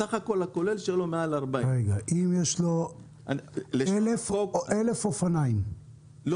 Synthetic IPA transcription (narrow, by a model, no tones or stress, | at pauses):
saχako̞lakolelʃelomealaʁbaʁeɡaʔimjeʃlo̞ | aleelefʔele̞fofanaim | l